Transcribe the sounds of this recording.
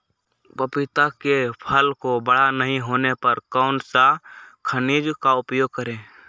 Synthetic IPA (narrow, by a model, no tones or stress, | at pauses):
pəpɪt̪akepʰəlkobəɽ̤anəɦĩɦoːnepəɾkɔːʊnsakʰəniːd͡ʒkaʊpjoːɡ̚kəɾẽː